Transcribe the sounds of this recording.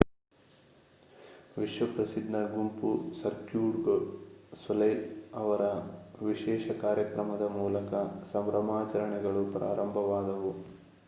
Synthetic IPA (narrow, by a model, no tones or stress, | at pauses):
ʋiʂʋɐpɾɐsid̪nɐɡumpusɐɾkjuːɖɡ | sʋɐlɐjɐʋɐɾɐʋiʃɛːʃɐkaːɾjɐkɾɐmɐd̪ɐmuːlɐkɐsɐmɾɐmaːt͡ʃɐɾɐɳɛɡɐɭupɾa̰ːɾɐmbʱɐʋaːd̪ɐʋu